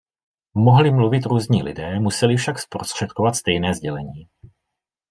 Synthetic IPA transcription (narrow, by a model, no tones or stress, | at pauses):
moɦlɪmluvɪt̪ɾuːzɲiːlɪ̰dɛːmusɛlɪfʃakspɾost̪r̥ɛt̪̚kovat̪st̪ɛjnɛːzɟɛlɛɲiː